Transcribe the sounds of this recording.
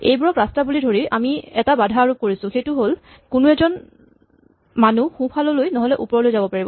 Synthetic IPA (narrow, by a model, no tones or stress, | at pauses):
ejbuɹɔkɹastabulidʱoɹiʔamiɛtabadʱaːɹukoɹisʊ̃xejtʊɦol | kʊnuɛzɔn | manuxũpʰalɔlojnɔɦɔlɛʔupɔɹɔlojzabɔpaɹibɔ